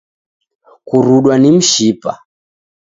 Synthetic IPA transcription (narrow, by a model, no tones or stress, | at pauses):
kuɾuɗwanim̩ʃipa̰